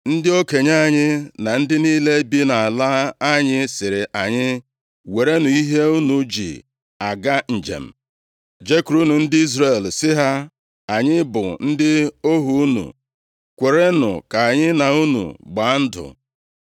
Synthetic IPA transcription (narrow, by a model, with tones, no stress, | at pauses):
n̩˦dɪ˦o˦ke˨ɲa˦˨ɲɪ˦na˨n̩˦dɪ˦niː˦le˦bi˦na˨a˨la˦a˦ɲɪ˦sɪ˨ɾɪ˨ʔa˨ɲɪ˦ | we˨ɾe˦nu˨i˦ɦe˦u˦nu˨d͡ʒḭ˨ | a˨ɡa˦n̩˨d͡ʒḛ˨m̩˨ | d͡ʒe˦ku˨ɾu˦nu˨n̩˦dɪ˦i˦zɾe˨lsɪ˦ɦa˦ | a˨ɲɪ˦bʊ̰˨n̩˦dɪ˦o˦ɦu˨˦u˦nṵ˨ | kʷe˨ɾe˦nʊ̰˨ka˨ɲɪ˦na˨u˦nṵ˨ɡ͡ba˨˦n̩˦dʊ̰˨